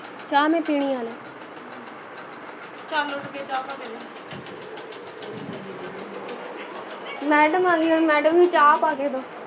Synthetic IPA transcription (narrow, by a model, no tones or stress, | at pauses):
t͡ʃaːmẽːpiːɽ̃iːaːleː | t͡ʃaːlːoʈkeːt͡ʃaːpaːbed͡ʒe | mɛːɖəmaːɡeːomɛːɖəmiːt͡ʃaːpaːɡeːd̪oː